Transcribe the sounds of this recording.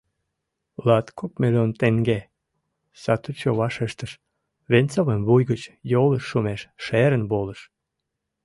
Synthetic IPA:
lɑt̪kʰokmelont̪eŋɡe | sɑt̪ut͡ɕoβɑʃeʃt̪əʃ | βent͡soβəmβujɣət͡ɕjoləʃːumeʃʃeɾənβoləʃ

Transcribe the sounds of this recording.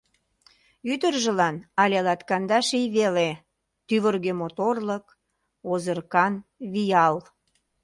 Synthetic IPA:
yd̪ərʒə̆lɑnɑlʲelɑt̪kɑnd̪ɑʃijβele | t̪yβərɣemot̪orlək | ozərkɑnβijɑl

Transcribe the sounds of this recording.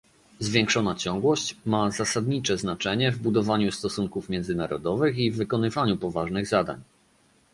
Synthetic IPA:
zvʲjɛŋkʂɔnat͡ɕɔ̃ŋɡwɔɕt͡ɕmazasad̪ɲit͡ʂɛznat͡ʂɛɲɛvbud̪ɔvaɲust̪ɔsuŋkufmʲjɛnd̪zɘnaɾɔ̰d̪ɔvɘxivːɘkɔnɘvaɲupɔvaʐnɘɣzad̪a̰ɲ

